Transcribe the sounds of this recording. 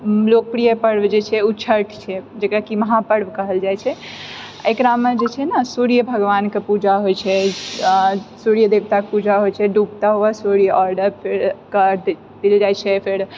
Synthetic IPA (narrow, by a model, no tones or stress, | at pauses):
lok̚pɾijəpəɽbd͡ʒet͡ʃʰɛut͡ʃʰəɾʈʰt͡ʃʰɛd͡ʒekɾakiməɦapəɽbkəɦəld͡ʒajt͡ʃʰɛ | ekɾamed͡ʒet͡ʃʰɛnasuɾijəbʱəɡʋankepud͡ʒaɦojt͡ʃʰɛ | suɾijəd̪ebt̪akepud͡ʒaɦojt͡ʃʰɛɖupt̪aɦoasuɾijəɔɾɖəɾpʰeɾkə | d̪̥ild͡ʒajt͡ʃʰɛpʰeɾ